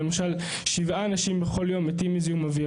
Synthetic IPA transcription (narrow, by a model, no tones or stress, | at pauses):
emaʃal | ʃivʔaːnaʃimbeχo̞ljo̞met̪imiziumavi